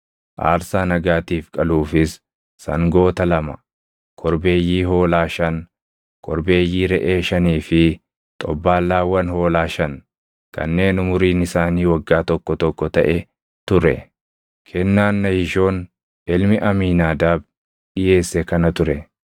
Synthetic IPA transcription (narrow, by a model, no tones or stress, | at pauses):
ʔa̰ːɾsaːnɐɡaːt̪iːfkʼɐluːfɪsː | ɐ̰ŋɡo̞ːt̪ɐlɐmɐ̰ | kʰɔɾbe̞ːjːiːɦo̞ːlaːʃɐn | kʰɔɾbe̞ːjːiːɾɛʔe̞ːʃɐniːfɪ | t̪ʼɔbːaːlːaːwɐnho̞ːlaːʃɐn | kɐ̰nːe̞ːnʊmʊɾiːnɪsaːniːwɐɡːaːt̪ɔkːɔt̪ɔkːɔt̪ɐʔɛ | t̪ʊɾɛ̰ | kʰɛnːaːnːɐhɪʃo̞ːn | ɪlmɪʔɐmiːnaːd̪aːb | ᶑɪje̞ːsːɛkɐnɐt̪ʊɾɛ